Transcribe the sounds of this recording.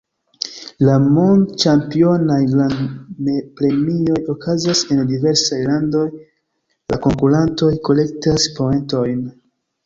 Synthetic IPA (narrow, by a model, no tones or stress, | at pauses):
lamont͡ʃampio̞najlanmepɾe̞mio̞jo̞kʰazase̞ndive̞ɾsajlando̞j | lako̞ŋkuɾanto̞jko̞le̞k̚taspoe̞nto̞jn